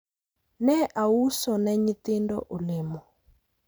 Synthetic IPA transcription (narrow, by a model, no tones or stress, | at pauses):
nɛʔausɔnɛɲit̪indɔ̰ʔulemɔ